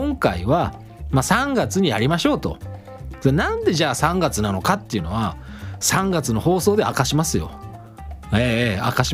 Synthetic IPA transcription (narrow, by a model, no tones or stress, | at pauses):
õŋkaiβa | masãŋɡat͡sɨɲ̟ijaɾʲimaɕo̞ːt̪o̞̰ | denãnd̪e̞ʑaːsãŋɡat͡sɨnano̞kat̪ːe̞iɯ̟no̞βa | sãŋɡat͡sɨno̞ho̞ːso̞ːd̪e̞a̰kaɕimasɨjo̞̰ | eːa̰kaɕi